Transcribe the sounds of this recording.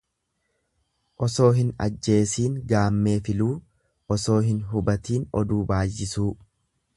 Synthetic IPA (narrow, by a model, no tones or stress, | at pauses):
ʔɔso̞ːɦɪnɐ̰d͡ʒːe̞ːsiːŋɡaːmːe̞ːfɪluː | ʔɔso̞ːɦɪnɦʊbɐt̪iːnɔ̰d̪uːbaːjːɪsuː